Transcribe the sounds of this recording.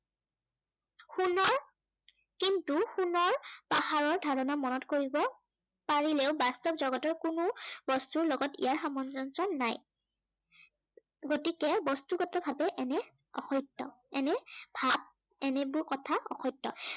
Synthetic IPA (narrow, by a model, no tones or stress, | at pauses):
xunɔɹ | kintuxunɔɹpahaɹɔɹdʱaɹɔnamɔnɔtkoɹibɔ | paɹilɛʊbastɔpzɔɡɔtɔɹkunʊbɔstuɹlɔɡɔtḭjaɹxamɔnzɔnsɔnːaj | ɡotikɛbɔstukɔtɔbʱabɛʔɛnɛ | ɔ̰xɔjtːɔ̰ | ɛnɛbʱab̚ | ɛnɛbʊɹkɔtʰaɔ̰xɔjtːɔ̰